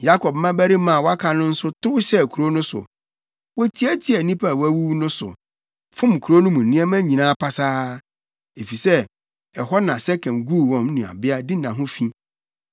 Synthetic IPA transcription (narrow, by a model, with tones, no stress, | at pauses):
ja˦kʰɔ˨p̚mã˦bæ˦ɾi˦mã˨wɔ˦a˦kʰa˨nʊ̃˦n̩˦sʊ˦tʊ˦ʊ˦ɕɛ˦˨kʰu˨ɾo˦nʊ̃˦sʊ̰˨ | wɔ˦tʰi˦æ˦tʰi˦ɛ˨nĩ˦pʰa˨wæ˦wu˦nʊ̃˦sʊ̰˨ | fʊ̃˦m˨kʰu˨ɾo˦nʊ̃˦mũ˨n̩ː˨nĩ˦ɛ˦mæ̃˦ɲĩ˨nãː˦pʰa˦saː˦ | e˨fi˨sɛ˦ | ɛ˨ɦɔ˦nã˨sɛ˦kʰɛ̃˨mɡu˦˨wɔ̃˨mnũ˨a̰˨bɪ˦a˦dɪ˦nã˨ɦʊ̃˦fĩ˦